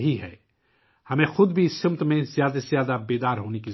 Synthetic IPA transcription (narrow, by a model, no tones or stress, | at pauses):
ɦiɦɛː | hɐmẽxʊd̪bʱisɪmt̪mẽzjaːd̪azjaːd̪abeːd̪aːɾɦoːneki